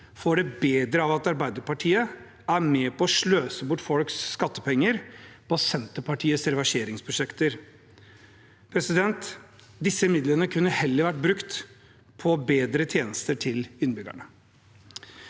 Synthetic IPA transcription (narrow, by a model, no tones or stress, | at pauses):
foːɖɛbeːd̪ɾəɑʋɑt̪ɑɾbæɪd̪əɾpɑʈʰiːə | æɾmɛpʰɔːʂɭøːsəbʊʈːfɔlksːkɑt̪ːəpʰɛŋːəɾpʰɔsɛnt̪əpɑʈʰiːəsɾɛʋæʂeːɾɪŋspʰɾʊʂɛkt̪əɾ | pʰɾɛsɪd̪ɛnt̪ | d̪ɪsəɪmɪd̪lənəkʰʉnːəhɛlːəɾʋæʈ̚bɾʉkt̪ | pʰɔbeːd̪ɾət̪ʰjeːnəst̪əʈʰɪlʏnbʏɡæ̰ɳə